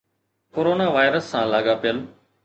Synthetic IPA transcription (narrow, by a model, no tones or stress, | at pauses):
koːɾoːnaːʋaːɪɾəsːãːlaːɡaːpɪjəl